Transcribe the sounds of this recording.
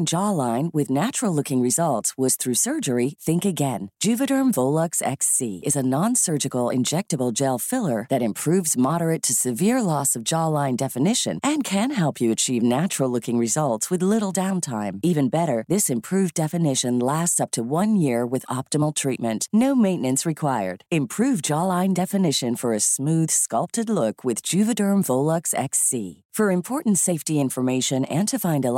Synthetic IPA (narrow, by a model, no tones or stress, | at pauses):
nd͡ʒɑlãɪ̃nwɨðnæt͡ʃɹl̩ˠlʊkɪ̃ŋɹɨzʌlˠtswʌz̥θɹʉsɜ˞d͡ʒə˞iθɪ̃ŋkɨɡɛ̃nd̥ʒ̥ʉvɨɾə̃˞ɱvoʊlˠʌksɛ̰ksiɨzənɑ̃nsɜ˞d͡ʒɨkl̩ˠɪ̰̃nd͡ʒɛk̚tɨbl̩ˠd͡ʒelˠfɪlˠə˞ðɨɾɨ̃mpʰɹ̥ʉvzmɑɾə˞ɨtʰɨsɨvɪɹlɔsʌvd͡ʒɑlãɪ̃ndɛfɨnɪʃɨ̰̃nʔɨ̃nkʰɨ̃nɦɛlˠpʰjɨɨt͡ʃʰivnæt͡ʃɹl̩ˠlʊkɪ̃ŋɹɨzʌlˠtswɨðlɪɾl̩ˠdãʊ̃ntʰã̰ɪ̃mivɨ̃nbɛɾə˞ðɪsɨ̃mpʰɹ̥ʉvdɛfɨnɪʃɨ̃nlæstsʌp̚tʰɨwʌ̃njɪɹwɨðɑp̚təml̩ˠtʰɹ̥it̚mɨ̃nʔnoʊmẽɪ̃nɨ̃nsɹɨkʰw̥aɪə̰˞d̥ɨ̃mpʰɹ̥ʉvd͡ʒɑlãɪ̃ndɛfɨnɪʃɨ̃nfə˞ɨsmʉð̥skʌlˠp̚tɨdˡlʊkʰwɨð̥d͡ʒʉvɨdɜ̃˞mvoʊlˠʌksɛ̰ksḭ | fə˞ɨ̃mpʰɔɹʔn̩tseɪftiɪ̃ɱfə˞meɪʃɨ̃nɨ̃ntʰɨfãɪ̃ndə